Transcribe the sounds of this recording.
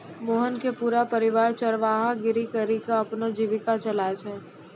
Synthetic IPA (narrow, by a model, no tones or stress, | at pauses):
moːɦənkepuːɾapəɾɪʋaːɾt͡ʃəɾʋaːɦaɡɪɾikəɾikaɐpnod͡ʒiʋɪkat͡ʃəlaet͡ʃʰɛː